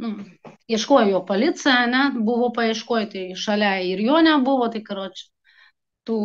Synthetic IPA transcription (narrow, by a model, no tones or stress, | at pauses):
nʊ | iɛʃkoːjɛjoːpolʲɪt̪sɨjɛɐnʲɛbuʋoːpɐiɛʃkoːjt̪ɐɪʃɐlʲæɪɾjoːnʲæbʊʋoːt̪ɐɪkɐɾoːt͡ʃʲʊ̥ | t̪uː